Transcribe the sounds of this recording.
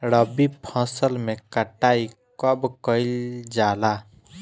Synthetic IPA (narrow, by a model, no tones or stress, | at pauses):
ɾəbipʰə̃səlmekəʈai | kəbkəɪld͡ʒala